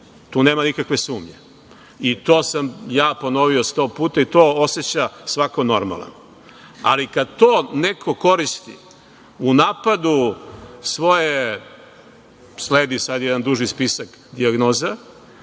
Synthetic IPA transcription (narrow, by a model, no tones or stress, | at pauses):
t̪uːneːmanikakʋe̞suːmɲe | it̪o̞ːsamjaːpo̞no̞ʋio̞st̪o̞ːpuːt̪ait̪oːose̞t͡ɕasʋako̞no̞ɾma̰lˠa̰n | a̰likad̪̚t̪oːnekʰo̞ko̞ɾist̪ḭ | unaːpad̪u | sʋo̞je | sleːd̪isad̪jɛd̪and̪uʒispisak | d̪iaɡno̞ːza